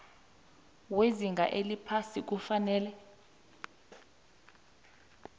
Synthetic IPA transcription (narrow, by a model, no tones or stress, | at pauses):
weziŋɡʱa̰ʔelipʰasik̬ufanɛːlɛ